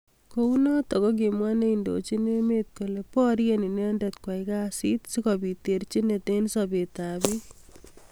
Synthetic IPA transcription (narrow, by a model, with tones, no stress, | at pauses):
kounɔ˦t̪ɔ˨kɔ˦k̬e˨mwa˦ne˦indo̰t͡ʃi˦ne˦met̪̚ko˨le˨pɔ˦ɾjeni˨nendɛt̪̚kwa˨ika˦sit̪si˦kɔbi˨t̪e˨ɾt͡ʃi˦ne˨t̪e˦nsabe˨t̪abi